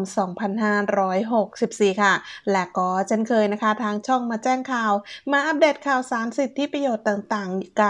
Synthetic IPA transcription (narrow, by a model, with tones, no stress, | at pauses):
msɔː˩˦ŋpʰa˧nɦaː˥˩ɾɔː˦˥jɦo˨˩k̚si˨˩p̚siː˨˩kʰa˥˩lɛː˦˥˩kɔː˥˩t͡ɕʰe˥˩nkʰɤː˧jna˦˥kʰa˦˥t̪ʰaː˧˥ŋt͡ɕʰɔ˥˩ŋmaː˧t͡ɕɛː˥˩ŋkʰaː˨˩wmaː˧ʔa˧p̚deː˨˩t̪̚kʰaː˨˩wsaː˨˦nsi˨˩t̪ʰːi˦˥˩pɾa˧joː˨˩t̪ːaː˨˩ŋt̪aː˨˩ŋka˧˩